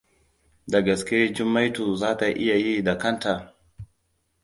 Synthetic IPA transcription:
da˨ɡa˨ske˦d͡ʒu˦mːa˦jtu˨zaː˦ta˨ʔi˦ja˨ji˦da˨ka˦nta˨

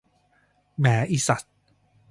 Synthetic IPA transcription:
mɛː˩˦ʔi˨˧sa˨˩t̪̚

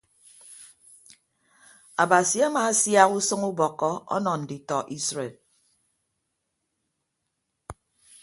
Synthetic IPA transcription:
a˨ba˨si˨a˦ma˨˦sja˦ɣu˦sɨ˦ŋu˦bɔ˨kːɔ˦ɔ̰˦nɔ˨n̩˨di˨tɔ˨ʔi˦sɾe˨l

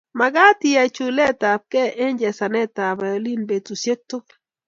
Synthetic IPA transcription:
ma˨ɡa˦ti˨a˨t͡ʃu˨lɛ˦ta˨p̚kɛ˦ʔe˦ɲd͡ʒɛ˨sa˨nɛ˦˨ta˨ba˨o˨li˦˨nbe˨tu˨sje˦k̚to˦

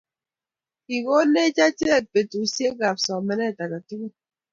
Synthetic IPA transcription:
i˨ɣo˦ne˦t͡ʃa˦t͡ʃe˦˨pe˨tu˨˦sje˦ɡa˨p̚sɔ˨mɛ˨nɛ˦˨ta˨ka˨tu˦ɡu˦

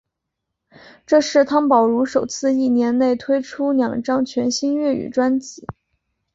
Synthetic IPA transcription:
ʈ͡ʂɤ˥˧ʂɻ̩˥˩t̪ʰɑ˥ŋpɑ˨˩ʊɻu˧˥ʂo˨˩ʊt͡sʰɹ̩˥˧i˥˩njɛ˧˥nne˥˩ɪt̪ʰwe˥ɪʈ͡ʂʰu˥ljɑ˨˩ŋʈ͡ʂɑ˥ŋt͡ɕʰɥɛ˧˥nɕi˥ŋɥɛ˥˩y̰˨˩ʈ͡ʂwa˥nt͡si˨˧˩

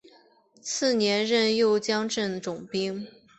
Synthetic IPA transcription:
t͡sʰɹ̩˥˩njɛ˧˥nɻə˥˧njo˥˧ʊt͡ɕjɑ˥ŋʈ͡ʂə˥˩nʈ͡ʂʊ˨˩ŋpi˥ŋ

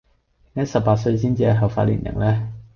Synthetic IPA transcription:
ɪ˨˩ŋɐ˥sɐ˨p̚pːaː˧t̚sɵ˧ɥs̬iː˥nt͡siː˧jɐ˨˩ɦɐ˨wfa̰ː˧t̚lḭ˨˩njʔɪ̰˨˩ŋlɛː˥

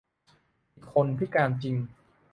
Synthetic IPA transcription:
ʔi˨˩kʰo˧npʰi˥kaː˧nt͡ɕi˧ŋ

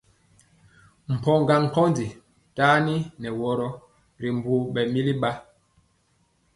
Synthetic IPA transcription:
m̩˨pɔ˦˨ŋɡa˨ŋ̩˨kɔ˦ndi˨ | taː˦ni˦nɛ˨wɔ˦ɾɔ˦ | ɾi˨m˨bu˦ɓɛ˨mi˦li˦ɓa˦

